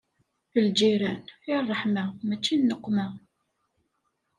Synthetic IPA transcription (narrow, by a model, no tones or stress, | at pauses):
θəld͡ʒiɾænɪrˤːəħmæmæt͡ʃːinːəqːmæ